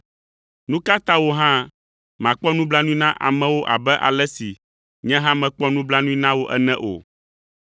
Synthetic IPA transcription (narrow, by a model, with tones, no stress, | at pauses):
nũ˦ka˦t̪ã˦wo˦ɦã˦ | mã˨k͡pɔ˦nũ˦bla˦nũ˦i˦nã˦ʔa̰˨mɛ̃˦wo˦ʔa̰˨bɛ˦ʔa̰˨lɛ˦si˨ | ɲɛ̃˦ɦã˦mɛ̃˨k͡pɔ˦nũ˦bla˦nũ˦i˦nã˦wo˦ʔɛ˦nɛ̃˦ʔo̰˨